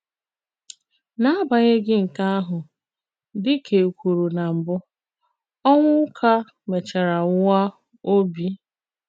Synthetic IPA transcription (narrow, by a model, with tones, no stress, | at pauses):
na˦a˦ba˨ɲe˦ɡɪ˦ŋ̩˨ka˦a˦ɦʊ˨ | dɪ˦kʰe˨kʷu˨ɾu˨na˨m̩˨bʊ˦ | ɔ˦ŋʷʊ˦kʰa˦ | me˨t͡ʃa˨ɾa˨˦wa˦ | o˦bi˦